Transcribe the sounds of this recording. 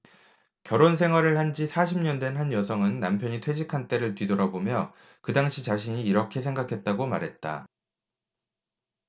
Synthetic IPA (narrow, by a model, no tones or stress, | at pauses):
kjʌɾons̬ʰe̞ŋɦwaɾɯɭhand͡ʑisʰaɕʰimɲʌndwe̞nɦanjʌsʰʌŋɯnːampʰjʌɲitʰwe̞d͡ʑikʰant͈e̞ɾɯɭtɥidoɾʌbomjʌ | kɯdaŋɕʰit͡ɕaɕʰiɲiːɾʌkʰe̞sʰe̞ŋɡakʰe̞t̚t͈aɡoma̰ɾɦet̚t͈a̰